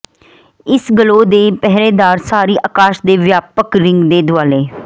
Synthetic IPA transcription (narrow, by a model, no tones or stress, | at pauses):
ɪsɡəloːd̪eːpɛɦɾeːd̪aːɾsaːɾiːʔaːkaːʃd̪eːʋjaːpəkɾɪŋɡd̪eːd̪ʊaːleː